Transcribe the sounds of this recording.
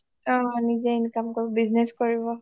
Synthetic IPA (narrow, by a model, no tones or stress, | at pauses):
ɔ̃nizeinikamkɔɹibɔbizneskɔɹibɔ